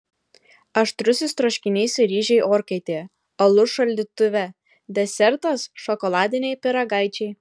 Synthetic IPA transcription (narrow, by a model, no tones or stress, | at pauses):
ɐʃt̪ɾʊsʲɪst̪ɾoʃʲkʲɪnʲɛɪsʲɾʲiːʒʲɛɪʔoːɾʲkɛɪt̪ʲeː | ɐlˠʊʃɐlʲd̪ʲɪt̪ʊʋʲɛ | d̪ʲɛsʲɛɾt̪ɐsʃɔkɔlˠɑːd̪ʲɪnʲɛɪpʲɪɾɐɡɑɪt͡ʃʲɛɪ